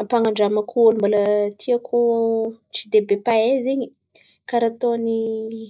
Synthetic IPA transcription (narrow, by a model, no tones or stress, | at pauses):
apaŋaɳɖ͡ʐamakuolumbalət̪ʰiakʰu | t͡ʃid̪ebepaezeɲi | kaɾat̪oni